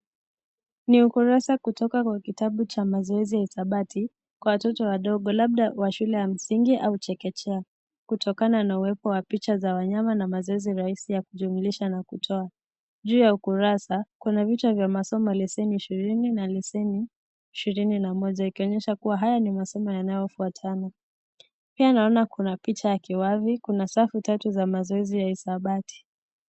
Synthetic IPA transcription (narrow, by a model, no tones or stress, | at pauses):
niukuɾasakutɔkakwakitaɓut͡ʃamazɔɛzijaiθaɓatʰi | kwawatɔtɔwaɗɔɠɔlaɓ̚ɗawaʃulɛjam̩siŋɡiʔaut͡ʃɛkɛt͡ʃɛa | kutʰɔkananauwɛpɔwapit͡ʃazawaɲamanamazɔɛziɾaisijakuʄumuliʃanakutʰɔa | ʄuːjaukuɾasakunavit͡ʃavjamasɔmɔlɛsɛniːʃiɾininalɛsɛniː | ʃiɾininamɔʄaikiɔɲɛʃakuwaɦajanimasɔmɔjanajɔfuatʰana | pianaɔnakunapit͡ʃajakiwavikunasafutatuzamazɔɛzijaisaɓatʰi̥